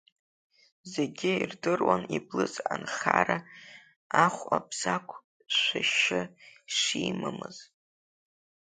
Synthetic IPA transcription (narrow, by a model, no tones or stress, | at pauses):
zeɡʲɪirdɨrwaniblɨzʼanχʲaɾa | aχʷabz̥akʷʰ | ʃʷaʃɪʂiːmamɨz̥